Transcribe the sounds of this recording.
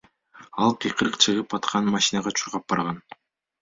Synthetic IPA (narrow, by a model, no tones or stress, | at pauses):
ɑlˠqʰijqʰɯɾɯqt͡ʃʰɯʁɯpɑt̪qʰɑnmɑʃinɑʁɑt͡ʃʰuɾʁɑp̚bɑɾʁɑn